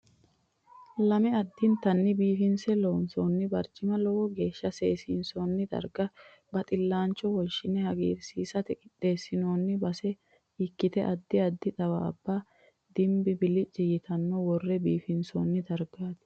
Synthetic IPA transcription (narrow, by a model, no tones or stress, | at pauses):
lɐmɪɐd̪ːɪnt̪ɐnːɪbiːfɪnsɛlɔwnsoːnːɪbɐɾt͡ʃːɪmɐlɔwɔɡe̞ːʃːɐseːsinsonːɪd̪ɐ̰ɾɡɐ | bɐt̪ʼɪlːaːnt͡ʃːɔwɔʃɪnɛhɐɡḛːɾsiːsɐt̪ɛkʼɪᶑeːsːɪnoːnːɪbɐsɛ | ɪkːɪt̪ɛʔɐd̪ːɪɐd̪ːɪt̪ʼɐwɐɐ̰bːaː | d̪ɪmbɪbɪlɪt͡ʃʼːɪjɪt̪ɐnːɔwɔrːɛbiːfɪnsoːnːɪd̪ɐɾɡaːd̪ɪ̥